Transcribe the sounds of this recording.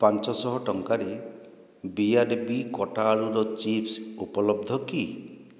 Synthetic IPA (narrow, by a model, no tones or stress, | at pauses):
pant͡ʃɔsɔɦɔʈɔŋkaɾe | biaɾbikɔʈaɭuɾɔt͡ʃipsupɔlɔb̚d̪ʱɔki